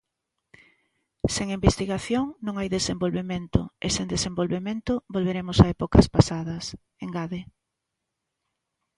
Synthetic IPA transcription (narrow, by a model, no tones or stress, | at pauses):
seŋimbest̪iɣaθjoŋnõŋajðesembolβemẽnt̪ʊ̰esẽnd̪esembolβemẽnt̪ʊbolβeɾemʊsaɛpokɐspasaðɐs | eŋɡaðe